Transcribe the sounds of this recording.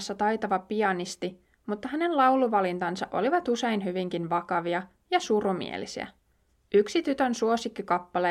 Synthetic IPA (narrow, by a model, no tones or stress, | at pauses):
sːɑt̪ɑjt̪ɑʋɑpiɑnist̪i | mut̪ːɑɦæne̞nlɑwluʋɑlint̪ɑnsɑʔo̞̰liʋɑt̪use̞inɦyʋiŋkinʋɑkɑʋiɑ | jɑsuromḭḛlisḭæ̰ | ʔyksit̪yt̪ønsuosikːikɑpːɑle